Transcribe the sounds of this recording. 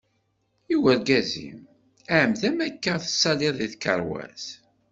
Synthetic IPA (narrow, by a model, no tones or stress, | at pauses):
iwəɾɡæzḭm | æʕəmðæmækːəθə̥sːɑliðˤiθkə̰ɾˤwæ̰s